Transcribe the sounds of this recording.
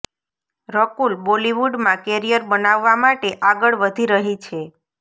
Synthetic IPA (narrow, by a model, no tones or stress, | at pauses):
ɾəkulboliʋuɖmãkɛɾijəɾbənaʋːamaʈeʔaɡəɭʋəd̪ʱiɾəɦit͡ʃʰe